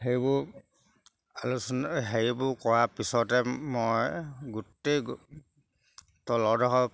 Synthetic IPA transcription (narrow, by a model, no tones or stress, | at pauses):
heɹibʊ | alusnɦeɹibʊkɔɹapisɔtɛmɔjɡutːejɡ | tɔlɔdɔɦɔ